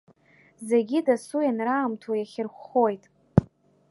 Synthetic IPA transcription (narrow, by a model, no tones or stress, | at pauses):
ze̞ɡʲidasujanraːmtʰajaχʲɪrχʷo̞jtʼ